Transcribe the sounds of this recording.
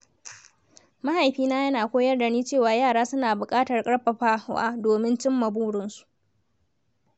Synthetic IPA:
ma˦ha˨jɸiː˦naː˦jɐ˦naː˨kʷoː˦jɐ˦rda˨niː˦t͡ʃeː˦˨waː˨jaː˦˨ɽaː˦sʊ˦naː˨bʊ˨kʼaː˦tɐ˨rkʼɐ˦ɽɸɐ˨ɸaː˦hʔa̰ː˦doː˨mɪ˦nt͡ʃɪ˦mːɐ˨buː˦ɽʊ˦nsu̥˨ʔ

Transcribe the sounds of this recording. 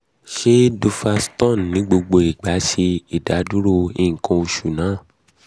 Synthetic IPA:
ʃe˦do˧fa˧stɔ̃˦˨n˨nĩ˨˦ɡ͡bo˧ɡ͡bo˧i˨ɡ͡ba˨˦ʃe˧i˦˨da˨˦du˦ɾo˦ĩ˦˨ŋ̩˨kɔ̃˧u˧ʃu˨nãː˨˦˨

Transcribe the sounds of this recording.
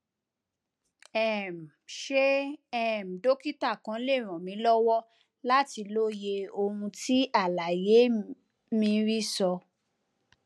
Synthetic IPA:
ɛ˦˨m | ʃe˦ɛ˦˨m̩˨do˦ki˦ta˦˨kã˨˧˦le˦˨ɾ̃ɔ̃˨mĩ˨˦lɔ˦wɔ˦ | la˦ti˧lo˦je˧o˧hũ˧ti˦ʔa˦˨la˨je˨˦ | mĩ˧ɾi˦sɔ˧

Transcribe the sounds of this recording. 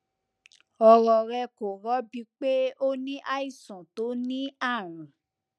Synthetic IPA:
ɔ˧ɾɔ˧ɾɛ˧ko˨ɾɔ˨˦bi˧˦k͡pe˦o˦nĩ˦ʔa˦i˦˨sɔ̃˨to˨˦nĩ˦a˦˨ɾ̃ũ˨

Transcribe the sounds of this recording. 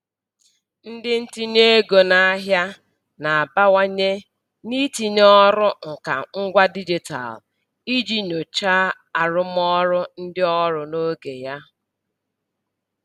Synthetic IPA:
n̩˦dɪ˦n̩˦ti˦ɲ˦e˦ɡo˨na˦a˦ɦja˦ | na˨a˨ba˦wa˦ɲe˦ | ni˦ti˨ɲ˦ɔ˦ɾʊ˦ŋ̩˨ka̰˨ŋ̩˦ɡʷa˦di˦d͡ʒi˨ta̰˨l | i˦d͡ʒi˦no˨t͡ʃa˦ | a˨ɾʊ˦m˦ɔ˦ɾʊ˦n̩˦dɪ˦ɔ˦ɾʊ˨no˦ɡe˨ja˦

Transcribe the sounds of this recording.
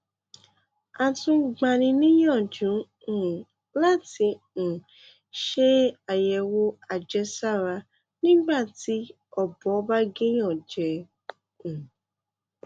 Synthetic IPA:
a˨tũ˧ɡ͡ba˧nĩ˧nĩ˦jɔ̃˦˨d͡ʒũ˨˦˨ | la˦ti˧ | n̩˨ | ʃe˦a˨jɛ˨wo˦a˨d͡ʒɛ˧sa˦˨ɾa˧ | nĩ˦ɡ͡ba˦˨ti˧˦ | ɔ˨bɔ˨˦ba˦ɡe˦j̃ɔ̃˦˨d͡ʒɛ̃˨˦˨

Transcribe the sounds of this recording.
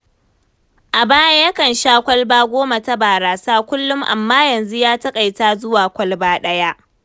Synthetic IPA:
ʔa˨baː˦ja˦jɐ˦kɐ˨nʃaː˦kʷɐ˦lbaː˦ɡʷoː˦ma˨ta˦baː˨ɾaː˨saː˦kʷʊ˦lːʊ˦mʔa̰˨mːaː˦jɐ˨nzu˦jaː˦tɐ˦kʼa˨jtaː˦zʊ˦waː˨kʷɐ˦lbaː˦ɗɐ˦ja˦ʔ

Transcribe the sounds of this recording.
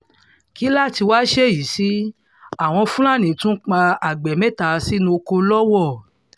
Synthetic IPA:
ki˨˦la˦˨ti˧waː˦ʃe˦˨ji˨˦si˦ | a˦˨w̃ɔ̃˧fũ˦la˦˨nĩ˨tũ˦k͡pa˧a˨ɡ͡bɛ˨mɛ̃˦˨ta˧˨˧si˦nũ˧ko˧lɔ˦wɔ˦˨

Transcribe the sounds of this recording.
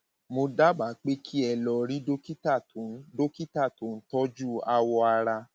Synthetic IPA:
mo˧da˦ba˨k͡pe˦kʰi˦ɛ˧lɔ˧ɾi˦do˦ki˦ta˦˨˦do˦ki˦ta˦˨to˨˦n̩˦tɔ˦d͡ʒu˦˨a˧wɔ˧a˧ɾa˧

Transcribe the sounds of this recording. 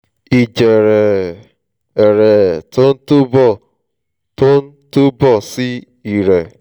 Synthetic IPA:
i˨d͡ʒe˨ɾe˨ | e˨ɾe˨tʊ˦n̩˦tu˦bɔ˦˨ | tʊ˦n̩˦tu˦bɔ˦˨sɪ˦ | i˨ɾe˨

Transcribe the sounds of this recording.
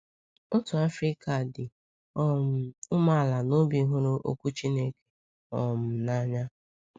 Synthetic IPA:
ʊ˦tʊ˨a˦fɾi˦ka˨dɪ˨˦˨ | ʊ˦ma˦˨la˨no˦bi˨˦ɦʊ˦ɾʊ˦ʔo̰˦kʷu˦t͡ʃi˦ne˦ke̥˨ | ɔ˨m̩˨na˦ɲa˦

